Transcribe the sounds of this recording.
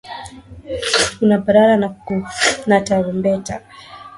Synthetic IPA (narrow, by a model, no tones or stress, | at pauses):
kunabaɾaɾana | nataɾɔmbɛta